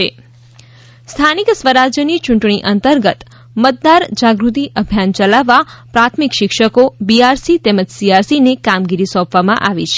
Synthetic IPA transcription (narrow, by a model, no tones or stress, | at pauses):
ḛ | st̪ʰaniksʋəɾad͡ʒjənit͡ʃũɳʈɳ̃iʔənt̪əɾɡət̪ | mət̪̚d̪aɾd͡ʒaɡɾut̪̬iʔəbʱjant͡ʃəlaʋːapɾat̪ʰmikʃɪkʃəkobiaɾsit̪eməd͡ʒsiaɾsinekamɡiɾisɔ̃pʰʋamã̰ʔaʋit͡ʃʰe